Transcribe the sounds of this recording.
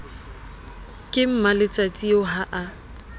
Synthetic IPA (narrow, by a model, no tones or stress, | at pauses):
kʼɪm̩malɪt͡sʼat͡sʼioɦaʔa